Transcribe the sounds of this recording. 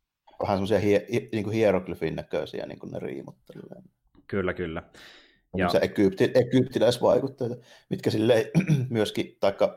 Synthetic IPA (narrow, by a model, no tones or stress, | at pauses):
olhɑnsemːˑosiɑhieniːŋkuhieroklyfinːækø̰ˑsḭæ̰nḭːŋkunnḛrḭːmut̪ːelːḛːn | kylːækylːæ | emmːosiɑʔekypt̪iʔekˑypt̪ilæˑisʋɑˑekut̪ːeˑit̪ɑ | mit̪kæsilːeˑimyøskit̪ɑˑekːɑ